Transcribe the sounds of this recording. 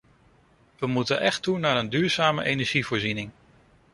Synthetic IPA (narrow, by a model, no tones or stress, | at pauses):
ʋəmutənʔɛχtunaːɾəndyːɹz̥aːmə̰ʔejnɛɹʒivʊːɹzinɪŋ